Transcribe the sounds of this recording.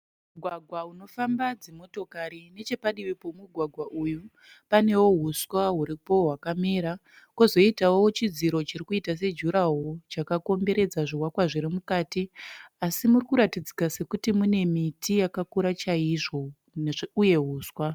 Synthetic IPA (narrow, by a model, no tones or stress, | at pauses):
muɡʱwaɡʱwauno̞fambad͡zemo̞to̞kaɾine̞t͡ʃe̞paɗiʋipo̞muɡʱwaɡʱwaʔuju | pane̞wo̞ɦuswaɦuɾipo̞ɦwakameːɾa | kozo̞itawowot͡ʃid͡ziɾo̞t͡ʃiɾikuitas̬e̞d͡ʒuɾaɦo̞t͡ʃakako̞mbe̞ɾe̞d͡zaʐiwakwaʐiɾimukaːtiasimurikuɾatid͡zikase̞kutimune̞mitʰijakakuɾat͡ʃaiʐo̞ | ʐuje̞ɦuːswa